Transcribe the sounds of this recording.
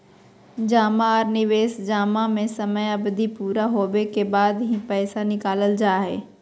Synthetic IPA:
d͡ʒaːmaɔːɾnɪʋeːsd͡ʒaːmamẽsɐməjɐbd̪ʱipuːɾaɦoːʋekebaːd̪ɦĩpɛːsanɪkaːləld͡ʒaːɦɛ̰ː

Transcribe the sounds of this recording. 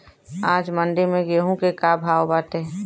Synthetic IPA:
ãːd͡ʒmə̃ɳɖemẽɡeɦũkekabʱaːwbaːt̪e

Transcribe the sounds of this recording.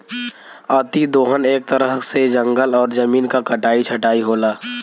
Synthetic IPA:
aːt̪id̪oːɦəneːk̚t̪əɾəɦsed͡ʒə̃ŋɡəlɔːɾzəmiːnkakɐʈaːit͡ʃʰɐʈaːiɦoːlaː

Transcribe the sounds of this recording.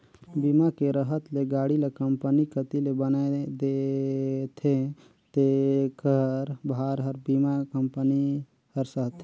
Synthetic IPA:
bimakeɾəɦət̪leɡaːɽilekəmpənikət̪ilebənaed̪e | t̪ʰe | t̪ekəɾbʱaɾɦəɾbimakəmpəni | həɾsəɦt̪ʰ

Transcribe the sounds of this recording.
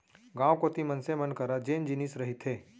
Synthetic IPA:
ɡãːʋkot̪imənsemənkəɾad͡ʒeːnd͡ʒinisɾɐɦit̪ɦeː

